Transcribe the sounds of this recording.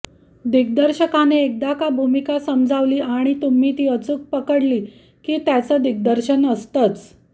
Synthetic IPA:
d̪ik̚d̪əɾɕəkaneek̚d̪akabʱumikasəmd͡zʱaʋliːaɽ̃it̪um̤iːt̪iːət͡suːk̚pəkəɽliː | kiːt̪jat͡səd̪ik̚d̪əɾɕənəst̪at͡s

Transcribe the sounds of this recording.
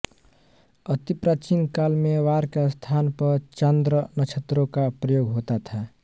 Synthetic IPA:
ət̪ipɾaːt͡ʃinkalmeʋaːɾkest̪ʰaːnpəɾt͡ʃənd̪ɾənət͡ʃʰət̪ɾõkapɾəjoːɡɦoːt̪at̪ʰa

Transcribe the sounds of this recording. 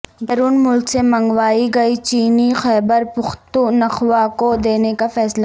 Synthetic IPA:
bɐɾuːnmʊlksemɐ̃ŋɡʋaːiɡɐit͡ʃiːnixɛːbəɾpʊxt̪unɐxʋaːkod̪eːnekafɛːsla

